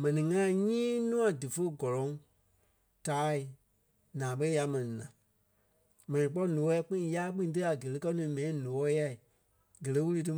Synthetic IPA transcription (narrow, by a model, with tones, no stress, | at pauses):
mɛ̃˨nĩ˨ŋã˦˨ɲĩː˦nũ˦ã˨dɨ˨fə˦ɡɔ˨lɔ̃˨˦ŋ | taː˨˦i˨ | nãː˨ɓə˦ja˧mɛ̃˨nĩ˨nã˨ | mɛ̃˨nĩ˨k͡pɔ˦nõ˨ɔ˦ɛ˧˦k͡pĩ˦˨˧jaː˦k͡pĩ˦ĩ˦t̬ɨ˦a˨ɡə˨lə˨˦kɜ˦nũː˨˦mɛ̃˨ĩ˦no˨ɔ˦ja˧i˨ | ɡə˨lə˦wu˦lɨ˧t̬ɨ˧